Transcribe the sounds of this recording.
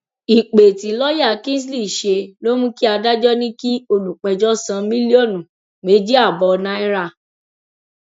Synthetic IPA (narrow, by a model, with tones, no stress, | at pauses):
i˨k͡pe˨ti˨˦lɔ˦ja˦˨kĩ˦s̬li˦˨i˨ʃe˧lo˦mũ˦ki˦a˧da˦d͡ʒɔ˦nĩ˦ki˦o˧lu˨k͡pɛ˧d͡ʒɔ˦sã˧mĩ˦li˦o˦˨nũ˨ | me˨˦d͡ʒi˦a˦˨bɔ˨˧nã˦ɛ˦ɾa˦˨